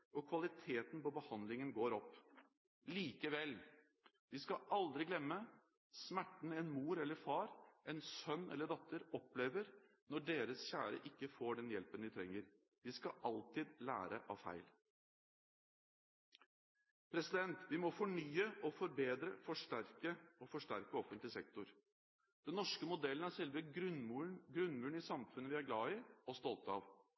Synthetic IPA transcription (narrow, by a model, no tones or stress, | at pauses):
ɔkʰʋɑlɪt̪ʰeːt̪npɔbəhɑnd̪lɪŋənɡoːɾɔpː | liːkəʋɛl | d̪ɪskɑʔɑld̪ɾɪɡlɛmːə | smæʈːɳ̩ɛnmuːɾɛlːəɾfɑːɾʔɛnsœnːɛ̰lːəɖɑt̪ːəɾɔpleːʋəɾ | nɔɖeːɾəsçæːɾə̰ʔɪkːəfoːɖɛnjɛlpənd̪ɪt̪ʰɾɛŋːəɾ | d̪̥ɪskɑʔɑlt̪ɪd̪læ̰ːɾə̰ʔɑ̰ʋfæ̰ɪl | pʰɾɛsɪd̪ɛnt̪ʋɪmɔfɔɳyːəʔɔfɔɾbeːd̪ɾəfɔʂʈæɾkəɔfɔʂʈæɾkəɔfənt̪lɪsɛk̚t̪ʊɾ | d̪̥ɛnːɔʂkəmʊd̪ɛlːənæɾʂɛlʋəɡɾmunɡɾʉnmʉːɳɪsɑmfʉnːəʋɪæɾɡlɑːɪɔst̪ɔlt̪əɑ̰ʋ